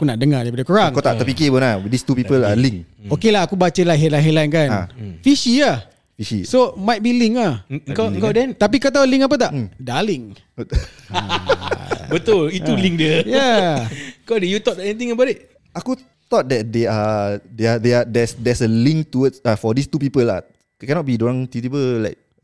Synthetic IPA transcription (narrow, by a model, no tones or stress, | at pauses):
akunaʔdəŋadaɾipadakuɾaŋkat̪aʔt̪əpikibənadist̪upipəlalĩŋokelaakubat͡ʃalaɦɛlanɦɛlajnkanãfiʃiah | fiʃḭsomajt̪̚biliŋahəŋkaəŋkawdɛnt̪ap̬ikat̪̬auliŋap̬ət̪aʔdaliŋ | bət̪ʊlit̪uliŋdəja | əŋkawdɛjut̪ɔt̚dɛtɛnit̪̬ĩŋəbatɪt̚ | aku | t̪ɔt̚dɛt̚deadeadeadɛsdɛsəlĩŋktuədsafɔdist̪upipəla̰ | kɛnɔt̚bidoɹãŋt̪it̪ipəlaɪk̚